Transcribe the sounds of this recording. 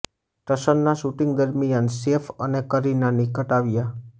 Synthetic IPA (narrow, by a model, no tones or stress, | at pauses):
ʈəʃənnaʃuʈɪŋɡd̪əɾmijansefənekəɾinanikəʈaʋja